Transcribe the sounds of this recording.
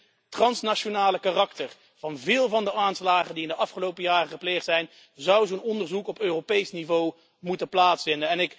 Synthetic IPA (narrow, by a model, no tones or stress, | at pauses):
trɑnsnaʃonaːləkaːrɑktəɹ | v̥ɑnvɪːlˠvɑndəʔaːnslaːχəndiɪndəʔɑfχəlowpəjaːrəχəplejχtsɛjn | zʌwzonɔndəɹzukɔpøːropejsnivow | mutənplaːtsfɪndənɛnɪk